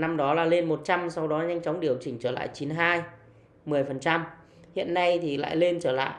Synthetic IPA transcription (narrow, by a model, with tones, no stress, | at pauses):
na˧mɗɔ˨˦laː˨˩le˧nmo˨˩t̚t͡ɕa˧msa˧wɗɔ˨˦ɲa˧jŋt͡ɕɔ˨˦wŋ͡mɗi˨˩əwt͡ɕï˧˩ŋ̟t͡ɕəː˧˩la̰ː˧˨jt͡ɕi˨˦nɦaː˧j | mɨ˨˩əjfə˨˩nt͡ɕa˧m | hḭ˧˨ənːa˧jt̪ʰi˨˩la̰ː˧˨jle˧nt͡ɕəː˧˩la̰ː˧˨j